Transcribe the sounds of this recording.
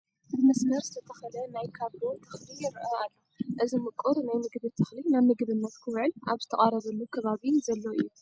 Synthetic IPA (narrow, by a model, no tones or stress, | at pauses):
ɨdmɐsmɐɾzɨt̪ʰɐt̪ʰɐxɐlɐnajkʰaβɾot̪ʰɨxlijɛɾʕoalːoʔɨzimɨkʼːuɾnajmɨɡβɨt̪ʰɨxlinaβmɨɡβɨnːɐt̪kʰɨwɨʕɨlʔaβzɨt̪ʰɐχʼaɾɐβɐlːukʰɐβaβinzɐlːoʔɨ̰jːu